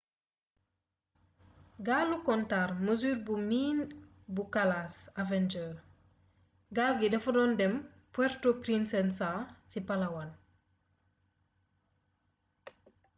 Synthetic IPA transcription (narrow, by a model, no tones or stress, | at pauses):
ɡalːukɔntaːrməzuːɾbumiːn | bukalaːsavɛnd͡ʒə | ɡalɡidɛfɔdɔndɛm | pwɛɾtopɾinsɛnsasipalɐwan